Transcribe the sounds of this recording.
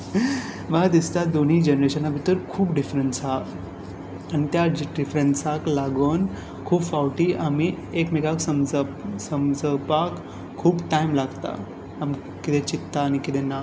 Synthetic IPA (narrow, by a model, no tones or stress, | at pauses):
ʋaɦd̪ist̪ad̪on̤id͡ʑenəɾeɕənabʱit̪əɾkʰuːpɖifɾənʈsɦa | añit̪jaɖifɾənsaklaɡən | kʰuːbfawʈiːʔami | ekmikaksəmsəmd͡zəpakʰː | uːbʈajmlaɡt̪a̰ː | m | kit̪ʰẽt͡ɕit̪ːaːñikit̪ʰena